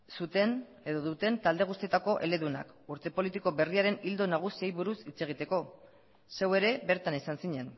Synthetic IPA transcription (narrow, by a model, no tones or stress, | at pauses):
sut̪en | e̞ðo̞ðut̪e̞nt̪ald̪e̞ɣ̞ust̪ie̞t̪ako̞ʔe̞̰le̞ðuna̰kuɾt̪e̞po̞lit̪iko̞βe̞riaɾe̞nild̪o̞naɣ̞usiejβuɾusit͡se̞ɣ̞it̪e̞ko̞ | se̞we̞ɾe̞be̞ɾt̪anesansiɲe̞n